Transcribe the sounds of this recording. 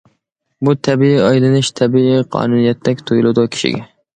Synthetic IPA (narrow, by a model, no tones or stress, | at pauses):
but̪ʰɛbiiɑjlɨnɪʃt̪ʰɛbiiqʰɑ̰ːnunijɛt̪ʰːɛkʲt̪ʰojlˠɨd̪ʊkʲʰɪ̥ʃɪ̰ɡʲɛ